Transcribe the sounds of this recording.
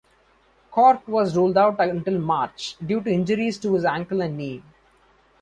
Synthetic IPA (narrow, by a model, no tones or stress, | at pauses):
kʰɔːɾʈʋɔːzɾuːlɖaʊʈə̃ɳʈɪlmaːɾt͡ʃɖjuːʈuɪ̃nd͡ʒəɾizʈuhɪzæ̃ŋkəlæ̃ɳɖniː